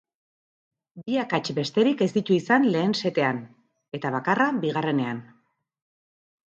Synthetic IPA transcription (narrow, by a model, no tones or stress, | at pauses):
biakat͡ʃbe̞st̪e̞ɾike̞zd̪it̪uisanle̞ːnse̞t̪e̞an | e̞t̪aβakarabiɣare̞ne̞an